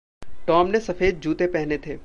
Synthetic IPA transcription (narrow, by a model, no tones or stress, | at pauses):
ʈɔːmnesɐfeːd̪̚d͡ʒʱuːt̪epɛɦnet̪ʰeː